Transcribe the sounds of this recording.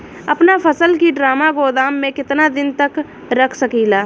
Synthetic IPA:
ɐpnapʰəsəlkiɖɾaːmaɡoːd̪aːmːẽkɪt̪nad̪ɪnt̪ək | ɾɐkʰsəkiːlaː

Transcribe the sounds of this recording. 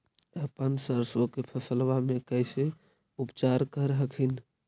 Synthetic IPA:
əpənsəɾsokepʰəsəlbamekəɪse | upt͡ʃaɾkəɾɦəkʰin

